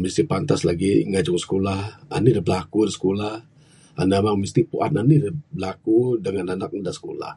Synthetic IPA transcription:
mist̪ipant̪aslaɡiŋad͡ʒʊŋsə̥kolaha̰nidəbəlakuɾisə̥kolah | ʔa̰namaŋmist̪ipuʔananidəbəlakudəŋananak̚daʔsə̥kola̰h

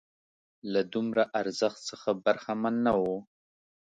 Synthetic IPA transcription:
lad̪ʊmɾaʔaɾzəxt̪səxabaɾxamanːawo

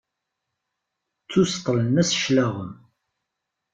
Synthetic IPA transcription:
t͡sːust̪ˤːlənæsʃlaʁəm

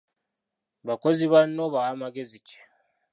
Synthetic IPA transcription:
βako̞ziβanoβawamaɡezit͡ʃe̥

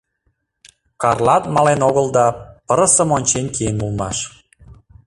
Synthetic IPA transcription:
kɑrlˠɑt̪mɑlenoɣəlˠd̪ɑpə̆ɾə̆sə̆monʲt͡ɕenkʲienmulmɑ̰ʃ

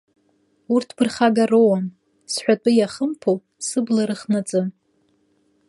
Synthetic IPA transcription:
urtʰb̥ɨrχaɡarowam | sħʷᶣatʼʊjaχəmpʰo | sɨblaɾɨχnat͡sʼɨm

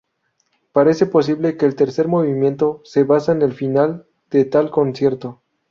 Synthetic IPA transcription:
paɾe̞se̞po̞s̬iβle̞ke̞ːlt̪e̞ɾse̞ɾmo̞βimje̞nt̪o̞se̞βasaene̞lfinal | d̪̥et̪alko̞nsje̞ɾt̪o̞

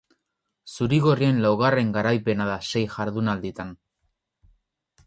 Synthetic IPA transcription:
suɾiɣo̞rie̞nlawɣ̞are̞ŋɡaɾajpe̞naðase̞jʝaɾðunald̪it̪an

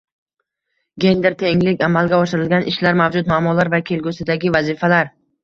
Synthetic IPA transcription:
ɡʲe̞nd̪eɾt̪ʰe̞ŋlɪkʲamalˠɡʲaɒʃɪɾɪlɡʲanʔɪʃlaɾmavd͡ʒʊt̪maːmːɒlaɾvakʲʰe̞lɡʲʊsɪd̪aɡʲɪvazɪfalaɾ

